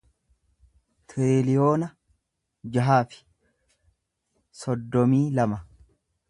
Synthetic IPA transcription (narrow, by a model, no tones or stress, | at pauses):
t̪ʰeːlɪjo̞ːnɐ | d͡ʒɐɦaːfɪ̥ | sɔd̪ːɔmiːlɐmɐ